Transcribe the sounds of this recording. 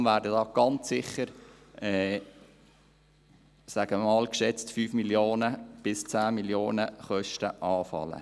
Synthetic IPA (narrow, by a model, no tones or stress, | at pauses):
mvæːɾdədɑːɡ̥ɑnt͡sːɪχəɾ | ʔɛː | sæɡ̥əmmɑːlkʃɛt͡stfyːfmiljoːnəb̥ɪst͡sæːmiljoːnəχœʃtəʔɑːfɑ̰lə̰